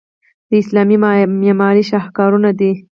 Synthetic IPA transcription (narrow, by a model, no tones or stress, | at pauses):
d̪əɪslɑmimemɑɾiʃahkɑɾunad̪i